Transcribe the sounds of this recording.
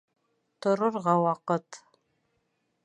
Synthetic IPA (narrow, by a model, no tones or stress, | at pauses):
tʰɨɾɨrʁɑwɑqətʰ